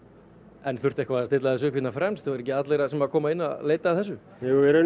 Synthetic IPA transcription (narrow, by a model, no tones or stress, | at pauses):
ɛnθʏr̥t̪ɛhkvaast̪ɪt̪laðθɛs̬ʏʏkʰvɪt̪nafɾɛmst̪θvaɾɛcɪat̪lejɾasɛmaðkʰɔːmaɪnːa̰leːjt̪aːθɛsːʏ | uɛɾʏ